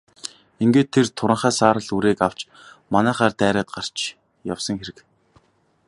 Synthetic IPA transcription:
iŋɡeːt̪ʰːert̪ʰːʊɾə̆ɴχæːsaːɾə̆ɮuɾeːkaw̥t͡ɕ | manæːχaːrt̪æːɾaːt̪̚ɢar̥t͡ɕ | ja̰wsə̆ŋxeɾɘ̆k

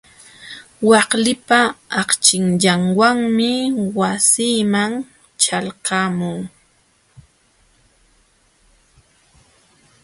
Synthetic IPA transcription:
wɑχlɪpaːqt͡ʃɪŋʎaŋwaŋmɪwasiːmaŋ | t͡ʃalqɑmʊŋ

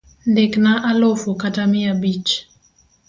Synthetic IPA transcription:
ndeknaʔalofokatamɪjabit͡ʃ

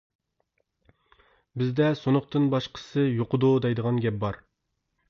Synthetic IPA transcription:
bɪzd̪ɛsonʊχt̪ɨnbɑʃqʰə̥sɨjoqʊd̪ud̪ɛjd̪əʁɑnɡʲɛp̚bɑɾ

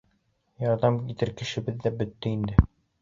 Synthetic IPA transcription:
jɒɾd̪ɑmkit̪ɘɾkɘ̆ʃɘ̆bɘðːæbɵ̆t̪ːɘind̪ɘ

